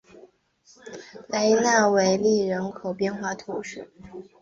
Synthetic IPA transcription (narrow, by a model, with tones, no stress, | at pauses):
le˧˥ɪna˥˩we˧˥ɪli˥˩ɻə˧˥nkʰo˨˩ʊpjɛ˥˧nxwa˥˩t̪ʰu˧˥ʂɻ̩˥˩